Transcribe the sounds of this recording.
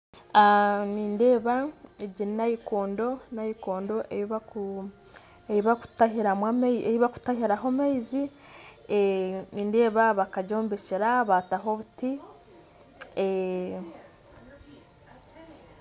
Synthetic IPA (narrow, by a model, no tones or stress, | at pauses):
aniːnde̞ːβaeɟiɾinajikoːndo̞najikoːndo̞ʔeβaku | eiβaku̥tahiɾamwamejiβaku̥tahiɾaɦomaizi | eniːnde̞ːβaβakaɟo̞ːmbeciɾaβataɦo̞βuti | e